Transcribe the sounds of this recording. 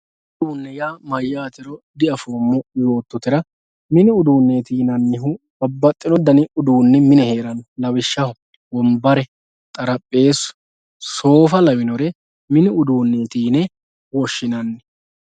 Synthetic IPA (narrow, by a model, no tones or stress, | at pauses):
ʊd̪uːnːɛjaːmɐjːaːt̪ɪɾɔd̪ɪɐfoːmːɔjo̞ːt̪ːɔt̪ɪɾɐ | mɪnɪʊd̪uːnːeːt̪iːnɐnːɪɦʊ | bɐbːɐt̪ʼːɪnɔd̪ɐnɪʊd̪uːnːɛmɪnɛhe̞ːɾɐnlɐwɪʃːɐhʊ | wɔmbɐɾɛ | t̪ʼɐɾɐpʼːe̞ːsʊ̥ | so̞ːfɐlɐwɪnɔɾɛ | mɪnɪʊd̪uːnːeːt̪iːnɛ | wɔʃːɪnɐnːɛ